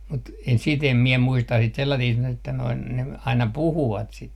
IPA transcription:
mut e sit em mie muistɑ sit selːɑtiːst etːæ noin ne ɑinɑ puhuʋɑt sit

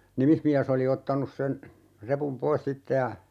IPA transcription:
nimismiæs oli otːɑnus sen repum pois sitːe jɑ

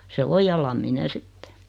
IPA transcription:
se o jɑ lɑmːine sitːe

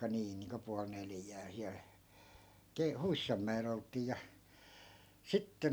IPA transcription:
niː niːŋko puɑl neljæː siæl ke huisːɑmːæel oltˑiː jɑ sitːe

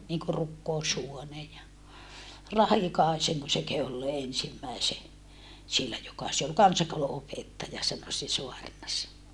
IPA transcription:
niŋku rukːoushuone jɑ rɑhikɑˑeseŋko se kehu olːeː ensimːæise sielːæ jokɑ se ol kɑnsɑkouluopetːɑjɑ sɑno se soɑrnɑs

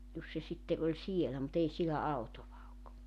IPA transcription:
jos se sitːe olʲ sielæ mut ei sielæ ɑutoʋɑ ok

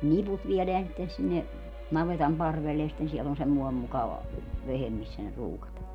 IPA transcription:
ne niput ʋieleæn sitːen sinːe nɑʋetɑm pɑrʋelːe jɑ sitːen siɛl on semːoem mukɑʋɑ ʋehem misːæ ne ruːkɑtɑː

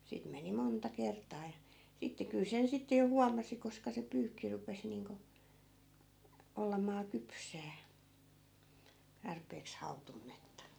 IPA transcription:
siːt meni montɑ kertˑɑː jɑ sitːe kyl sen sitːe jo huɑmɑsi koskɑ se pyːkːi rupes niːŋko olːɑmɑː kypsæː tɑrpeːks hɑutunːetːɑ

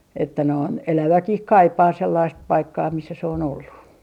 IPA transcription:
etːæ noin elæʋækih kɑipɑː selːɑist pɑikːɑː misːæ se on olːu

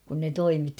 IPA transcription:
kun ne toimitːi

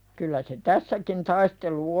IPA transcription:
kylːæ se tæsːækin tɑistelu

